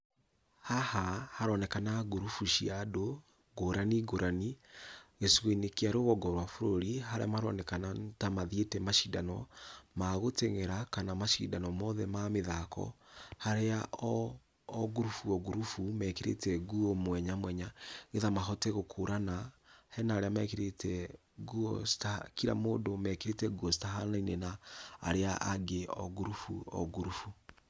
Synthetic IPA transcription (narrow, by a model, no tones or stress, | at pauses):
hahahaɾɔnɛkanaɣuɾufuʃiado | ɡoɾaniɡoɾaniɣesɣweinekeaɾeoɣɔɡɔɾwafoɾoɾihaɾḛamaɾɔ̰nɛkanantamaðietɛmaʃidanɔmaɣoteŋeɾakanamaʃḭːdanɔmɔðɛmameðakɔ̰haɾeaɔː | ɣuɾufuɔɣuɾufumɛːkeɾḛtɛɡuɔmwɛɲamwɛɲaɣeðamaɦɔtɛɣokʰoɾanahɛnaːɾeamɛkeɾetʰɛ | ɣuɔstakiɾa̰moːndomɛkeɾetɛɡuɔstaɦanainena̰ːɾeaʔaɡeɔ̰ɣuɾufuɔ̰ɡuɾufu